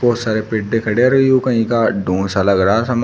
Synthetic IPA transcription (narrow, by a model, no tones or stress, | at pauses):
poːsaɾepɪʈ̚d̪ekʰɐɽeɾɐijukɐ̃ɦĩkaɖõːsalɐɡɾaasɐm